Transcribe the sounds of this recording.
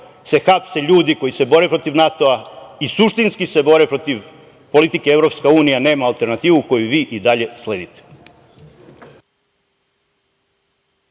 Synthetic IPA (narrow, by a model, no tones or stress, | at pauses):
se̞xapseʎuːd̪iko̞jise̞bo̞ɾepɾo̞t̪iʋnat̪o̞aisuʃt̪inskisebo̞ɾepɾo̞t̪iʋ | po̞lit̪ikeeʋvɾo̞pskauːnijane̞ːmaːlˠt̪e̞ɾnat̪iːʋuko̞juʋiːʔid̪aʎe̞sle̞ːd̪it̪e̥